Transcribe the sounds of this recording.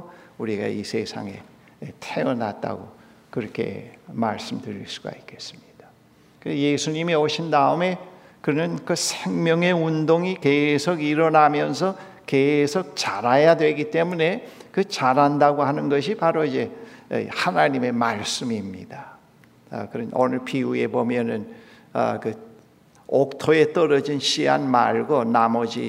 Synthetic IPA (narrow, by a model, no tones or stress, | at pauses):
uɾiɡa̰ḭsʰe̞sʰa̰ŋe̞̰ | etʰeʌna̰t̚t͈a̰ɡo̰ | kɯɾʌkʰe̞̰ma̰ɭs͈ɯmdɯɾiɭs͈u̥ɡa̰ik͈e̞̥s͈ɯ̥mɲid̥a | kɯje̞sʰuɲimioɕʰindaɯme̞ | kɯnɯnkɯsʰeŋmjʌŋe̞undoŋike̞sʰoɡiɾʌnamjʌnsʰʌ | ke̞sʰok̚t͡ɕaɾajadwe̞ɡit͈e̞mune̞kɯt͡ɕaɾandaɡoɦanɯnɡʌɕʰipaɾoid͡ʑe̞̰hanaɲime̞maɭs͈ɯmimɲḭda̰ | kɯɾʌno̰nɯɭpʰiue̞bomjʌnɯn | ʌ̰kɯ | ok̚tʰoe̞t͈ʌɾʌd͡ʑinɕʰiɦa̰nma̰ɭɡonamʌd͡ʑḭ